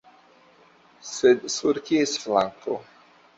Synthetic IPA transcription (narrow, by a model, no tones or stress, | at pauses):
sed̪suɾkiesflaŋkʰo̰